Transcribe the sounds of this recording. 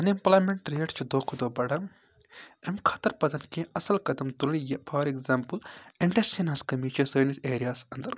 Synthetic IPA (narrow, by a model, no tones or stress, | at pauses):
ɐnd̪implaːjmeɳʈɾeːʈt͡ʃʰid̪oːkʰud̪oːbɐɽɐm | emkʰɐt̪ɐɾpɐzɐnkʲẽɐsɐlkɐd̪ɐmt̪ulnijɐpʰɐːɾekzaːmpɨliɳʈɐɾsinɐskɐmiːt͡ʃʰisɐːniseːɾijaːsɐnd̪ɐɾ